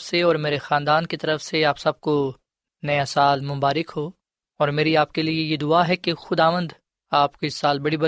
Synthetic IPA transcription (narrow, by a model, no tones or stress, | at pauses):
seɔːɾmeːɾexaːnd̪aːnkit̪ɐɾəfseaːpsɐb̚ko | nɐjasaːlmʊ̃mbaːɾɪkɦoː | ɔːɾmeːɾiaːp̚keliejed̪ʊaɦɛkexʊd̪aːʋə̃nd̪ | aːpkiɪsːaːlbɐɽibɐ